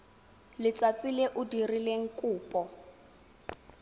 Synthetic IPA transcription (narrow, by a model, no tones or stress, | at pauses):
lɪt͡sat͡sʼilɛʔʊdirileŋ̩kʼuːpʼɔ